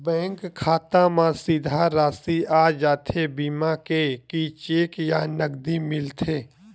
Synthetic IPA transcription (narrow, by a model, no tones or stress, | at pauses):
bɛ̃ːŋkʰːaːt̪amãsɪd̪ʱaɾaːsiaːd͡ʒaːt̪ʰebiːmakekit͡ʃeːkjanəɡd̪imɪlt̪ʰeː